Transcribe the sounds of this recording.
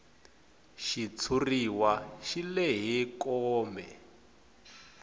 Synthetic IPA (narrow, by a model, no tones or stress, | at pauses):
ʃit͡sʰuriwaʃilɛɦikɔːmbɛ̰